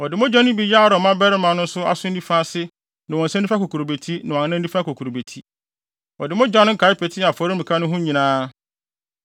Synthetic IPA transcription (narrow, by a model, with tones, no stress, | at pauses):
ɔ˨dɪ˨mʊ̃˦d͡ʑᶣɔ̃˦n˦ʊ̃˦bi˦ja˦˨ɾɔ˨mã˦bɛ˦ɾɪ˦mã˨˦nʊ̃˦n̩˦sʊ˦a̰˦sʊ˦n̩˦nĩ˦fã˦sɪ˦ | nã˨ɔ̃˨sɛ˦i˦fa˦ko˨kʰu˨ɾo˨be˨tʰi˦nã˨wɔ̃˨n˦nã˦n˦dĩ˦fã˦kʰo˨kʰu˨ɾo˨be˨tʰi˦ | ɔ˨dɪ˨mʊ̃˦d͡ʑᶣã˦nʊ̃˦ŋ̩˦kʰa˨˦ɪ˦pʰɛ˨tʰɪ˦a˨fɔ˨ɾɪ˦mĩ˨kʰa˦nʊ̃˦ɦʊ̃˦ɲĩ˨nãː˦